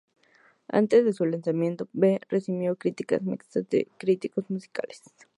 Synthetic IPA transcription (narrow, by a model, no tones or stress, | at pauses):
a̰nt̪e̞zðesulansamjent̪oberesimjokɾit̪ika̰smḭksazd̪ḛkɾit̪ikosmusi̥ka̰les